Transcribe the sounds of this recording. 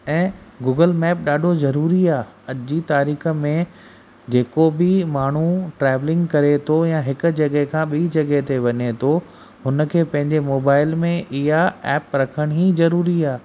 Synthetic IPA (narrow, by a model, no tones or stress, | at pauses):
ɛ̃ːɡuːɡəlmɛːp̚ɗaːɖʱozɐɾuːɾiaː | ɐd͡ʑit̪aːɾiːxə̆mẽ | d͡ʑeːkobɪmaːɳ̤uʈɾɛːʋlɪ̃ŋɡkɐɾet̪ʰojãɦɪkʊ̆d͡ʑɐɡəɦkʰãːɓiːd͡ʑɐɡəɦt̪eʋɐɲet̪ʰo | ɦʊnə̆kʰeːpɐ̃ɦɪ̃ɲd͡ʑemoːbaːɪlmẽɪɦaɛːpɾɐkʰəɽ̃ɦizɐɾuːɾiaː